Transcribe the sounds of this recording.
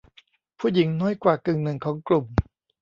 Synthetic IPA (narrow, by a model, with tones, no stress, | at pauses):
pʰuː˥˩ji˩˦ŋnɔː˦˥jkwaː˨˩kɯ˨˩ŋnɯ˨˩ŋkʰɔː˩˦ŋklu˨˩m